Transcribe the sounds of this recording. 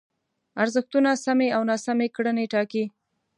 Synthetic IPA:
aɾzəxt̪unasameawnɑsamekɽəneʈɑki

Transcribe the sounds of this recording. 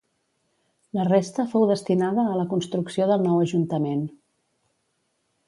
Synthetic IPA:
lərest̪əfowðəst̪inaðəːləkunst̪ɾuksioðəlˠnɔwəʒunt̪əmen

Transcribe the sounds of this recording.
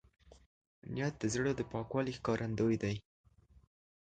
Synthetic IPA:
nijat̪̚d̪əzɽəd̪əpɑkwɑlixkɑɾʔand̪ojd̪aj

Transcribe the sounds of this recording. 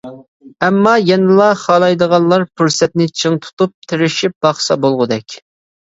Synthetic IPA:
ɛmːɑjɛnɨlˠɑχɑlˠɑjd̪əʁɑnlˠɑɾpʰuɾsɛt̪nɪt͡ʃʰəŋt̪ʰu̥t̪up̚t̪ʰɪɾɪʃip̚b̥ɑχsɑbolˠʁʊd̪ɛkʲ

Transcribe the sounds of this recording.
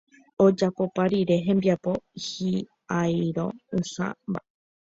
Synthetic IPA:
od͡ʒapo̞paɾiɾe̞ɦẽ̞mbiapo̞hi | ajɾo̞̰usa̰mba̰

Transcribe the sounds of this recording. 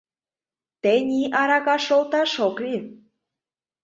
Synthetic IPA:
t̪enʲiʔɑɾɑɣɑʃolt̪ɑʃokli

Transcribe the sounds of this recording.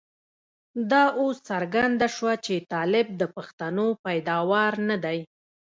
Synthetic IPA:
d̪ɑosːaɾɡand̪aʃwat͡ʃet̪ɑlɪb̚d̪əpaxt̪anopajd̪ɑwɑɾnad̪aj

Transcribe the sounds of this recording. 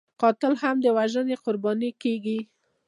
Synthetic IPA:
qɑt̪ɪlhamd̪əwaʒəneqʊɾbɑnikeɡi

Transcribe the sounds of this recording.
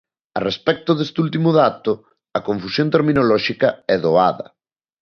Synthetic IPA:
ɐ̰respɛk̚t̪ʊðest̪ult̪imʊðat̪ʊ | ɐkoɱfusjont̪eɾminolɔʃikɐɛðoa̰ðɐ̰

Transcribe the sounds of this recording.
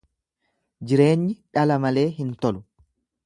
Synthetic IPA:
d͡ʒɪɾe̞ːɲːɪᶑɐlɐmɐle̞ːɦɪnt̪ɔlʊ

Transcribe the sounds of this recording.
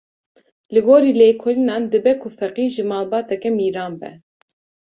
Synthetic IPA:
lɨɡoːɾiːleːkʰoɾinɑːnd̪ɨbɛkʰʊfɛqiːʒɨmɑːlbɑːt̪ɛkɛmiːɾɑːnbɛ̰

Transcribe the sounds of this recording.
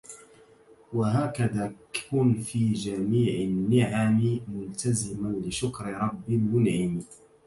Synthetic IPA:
waɦaːkaðaːkʊnfiːd͡ʒamiːʕɪnːɪʕammʊlt̪azɪmanlɪʃʊkɾɾˤɑbːɪlmʊnʕɪmi

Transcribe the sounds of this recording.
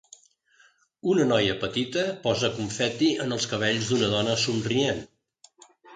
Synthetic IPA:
unənɔjəpət̪it̪əpɔzəkuɱfɛt̪iənəlˠskəβ̞eʎzd̪unəðɔnəsunrien

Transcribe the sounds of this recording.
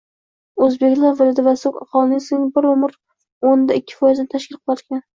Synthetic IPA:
ɵzbe̞kʲlaɾvɪlɪd̪ɪvasokɑqʰɒlˠnɪŋseŋbɪɾʊmɾ | ond̪aɪkʲʰːɪ̥fɒjɪznɪt̪ʰaʃkʲɪlˠqʰɨlˠaɾkʲan

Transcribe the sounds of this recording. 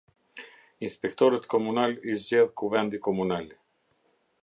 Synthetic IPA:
inspɛkt̪ɔɾət̪kɔmunalizd͡ʑɛðkuvɛnd̪ikɔmunal

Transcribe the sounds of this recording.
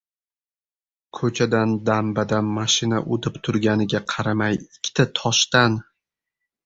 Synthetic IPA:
kʰɵt͡ʃʰad̪and̪ambad̪anmaʃɪna̰ʔod̪ɪpt̪ʰʊɾɡʲanɪɡʲaqʰɑɾamajɪkʲʰːt̪ʰat̪ʰɒʃt̪an

